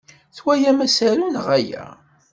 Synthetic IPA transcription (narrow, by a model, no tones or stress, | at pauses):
θwæjæmæsæɾunəʁæjæ̰